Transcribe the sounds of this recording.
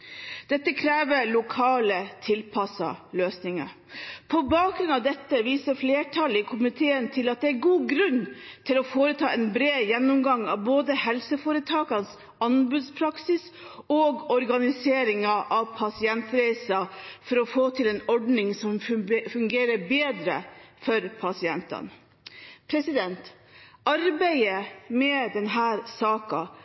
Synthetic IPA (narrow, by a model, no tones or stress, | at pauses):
d̪̥ɛt̪ːəkʰɾeːʋəɭʊkʰɑːlət̪ʰɪlpʰɑsɑ̰løːsnɪŋɑ̰ | pʰɔbɑːk̚ɡɾʉnɑʋd̪ɛt̪ːəʋiːsəɾfleːʈʰɑlɪkʰʊmɪt̪ʰeːənt̪ʰɪlɑt̪̚d̪ɛæɾɡuːɡɾʉnːt̪ʰɪlɔfoːɾət̪ʰɑ̰ːɛnbɾeːdjɛnːʊmɡɑŋɑ̰ʋboːd̪əhɛlsəfɔɾət̪ʰɑːkɑns | ɑnbʉːd̪spʰɾɑksɪsɔɡɔɾɡɑnɪseːɾɪŋɑʔɑʋpʰɑsɪɛnt̪ɾæɪsɑfɔɾɔfoːt̪ʰɪlɛnɔɖnɪŋsɔmfʉŋɡeːɾəɾbeːd̪ɾə̰fɔɾpʰɑsɪɛnt̪ɑ̰n | pʰɾɛsɪd̪ɛnt̪ | ʔɑɾbæɪəmɛd̪ɛnɦæːɾsɑːkɑ